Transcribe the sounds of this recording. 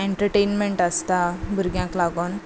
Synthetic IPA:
eɳʈəɾʈenmeɳʈəst̪abəɾɡjãklaɡon

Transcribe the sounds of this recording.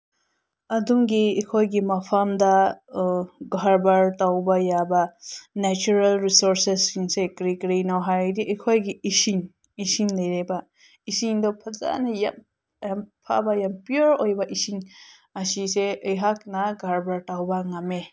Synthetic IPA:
ɐduŋɡiekʰojɡimɐpʰamdɐ | ɡʱaɾbaɾtawbajabɐnɛt͡ʃuɾelɾisoɾsesːiŋsekɾikɾinawɦajadiʔɐjkʰojɡiisiŋ | isiŋlɐjɾebɐ | isiŋdɔpʰɐza̰nɐjam | jampʰa̰bajampiuɾojbɐʔisiŋ | ɐsiseɯjɦak̚nɐɡʱaɾbaɾtawbɐŋame

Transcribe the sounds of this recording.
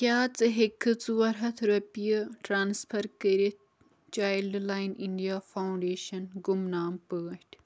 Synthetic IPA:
kʲjaːt͡sɨɦekʰːɨt͡sɨwɐɾɦɐt̪ʰɾɐpijəʈɾaːnspʰɐɾkəɾit̪̚ʰ | t͡ʃaːjlɖlaːjniɳɖijaːfawɳɖeːʃɐnɡumnaːmpəːɐʈʰʲ

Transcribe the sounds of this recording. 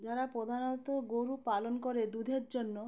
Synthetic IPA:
d͡ʒaɾapɾod̪ʱanɔt̪ɔɡoɾupalonkɔɾed̪ud̪ʱeɾd͡ʒonːo

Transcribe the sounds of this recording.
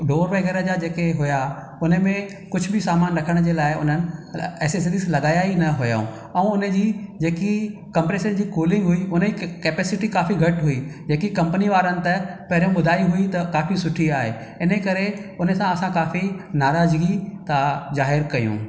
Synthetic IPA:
ɖoːɾʋaːɡəɾəd͡ʑad͡ʑeːkeɦʊja | ʊnə̆mẽ | kʊd͡ʑʱʊbɪsaːmaːnɾɐkʰəɽ̃d͡ʑeːlaːɪʊ̰n̤ənɪ̆ɛːses̬ɐd̪islɐɠaːjaːinɐɦʊja̰ːṵ̃ | ɛ̃ʊnəd͡ʑiːd͡ʑeːki | kɐ̃mpɾeːʃənd͡ʑiːkoːlɪ̃ŋɡɦʊiʊn̤əd͡ʑikeːpeːsɪʈikaːfiɡʱɐʈɦʊid͡ʑeːkikɐ̃mpəniʋaːɾənɪ̆t̪ɐpɐɦɪɾijũɓʊd̪ʱaːiɦʊit̪ɐkaːfisʊʈʰiaːɦe | ɪnəkɐɾeʊnəsãɐsãkaːfinaːɾaːzɡit̪azaːɦɪɾkɐjṵ̃ː

